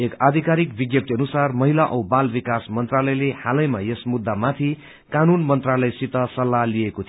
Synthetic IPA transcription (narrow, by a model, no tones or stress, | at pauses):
ekad̪ʱikaɾik̚biɡjʌp̚t̪iʌnusarmʌɦilaʔʌwbalbikasmʌnt̪ralʌjlehalʌjmajesmud̪ːamat̪ʰi | kanunmʌnt̪ralʌjsit̪ʌsʌlːalijekot̪ʰ